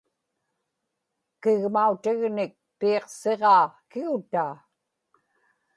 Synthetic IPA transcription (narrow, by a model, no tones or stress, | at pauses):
kɪɣmaut̪ɪɣnɪk̚piːqse̞ʁɑːkɪʊt̪aː